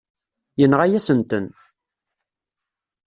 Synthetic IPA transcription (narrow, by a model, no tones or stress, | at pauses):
jənʁajæsənt̪ən